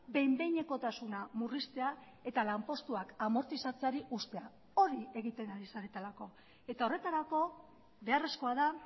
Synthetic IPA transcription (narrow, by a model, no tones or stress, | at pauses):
be̞jmbe̞jɲe̞ko̞t̪asunamurist̪e̞a | e̞t̪alampo̞st̪uakamo̞ɾt̪isat͡seaɾiʔust̪e̞a | o̞ɾie̞ɣ̞it̪e̞naɾisaɾet̪alako̞ | e̞t̪ao̞re̞t̪aɾako̞ | βe̞are̞sko̞aða